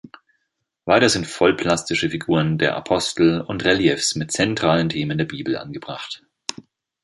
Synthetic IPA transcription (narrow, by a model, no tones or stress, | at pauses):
v̥aɪtɐzɪntfɔlpʰl̥astɪʃəfiɡuːʁəndeːɐʔa̰pʰɔstl̩ʊntʁɛljɛfsmɪt̚t͡sɛntʁ̥aːləntʰeːməndeːɐbiːbl̩ʔa̰nɡəbʁaχt